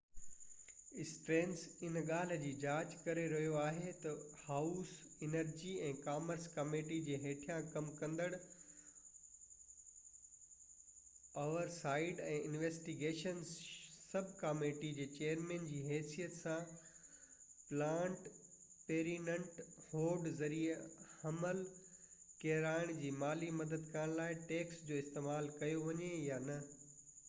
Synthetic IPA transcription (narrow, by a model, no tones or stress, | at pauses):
ɪsʈɾẽːnsɪnɠaːl̤d͡ʑiːd͡ʑaːd͡ʑkɐɾeɾɐɦijoaːɦet̪ɐhaːʊsɪnəɾd͡ʑiɛ̃ːkaːməɾskɐmeːʈid͡ʑeːɦeːʈʰijãkɐmkɐ̃nd̪əɽ | oːʋəɾsaːɪɖɛ̃ːʔɪnʋeːsʈiɡeːʃənzsɐbʱkaːmeʈid͡ʑeːt͡ɕeːjəɾmẽːnd͡ʑiːɦɛːsijət̪sã | plãːɳʈ | peːɾinə̃ɳʈhoːɾɖzɐɾiehɐməl | keːɾaːɪɽ̃d͡ʑiːmaːlimɐd̪əd̪kɐəɽ̃laːɪʈeːksd͡ʑoːɪst̪eːmaːlkɐjoʋɐɲejanɐ